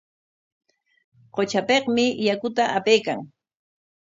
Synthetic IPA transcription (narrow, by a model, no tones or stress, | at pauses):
qot͡ʃapeqmɪjakʊt̪aʔapejkaŋ